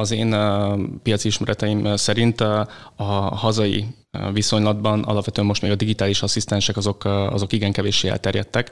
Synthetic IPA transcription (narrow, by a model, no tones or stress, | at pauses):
ɒzeːnpijɒt̪siiʃmɛɾʔɛt̪ɛjimsɛɾint̪ɒhɒzɒjḭ | viso̞ɲlɒd̪bɒnɒ̰lɒpʋɛt̪øːɛmːo̞ʃt̪meːɡɒd̪iɡit̪aːliʃɒsist̪ɛnʃɛkɒzo̞kɒ̰zo̞kiɡɛŋkɛveːʃeːɛ̰lt̪ɛrjɛt̪ːɛk